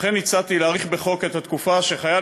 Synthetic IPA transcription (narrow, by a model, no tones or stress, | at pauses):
χenːit͡sat̪ileːʁiχbe̞χo̞ke̞t̪hat̪kufaʃe̞χaja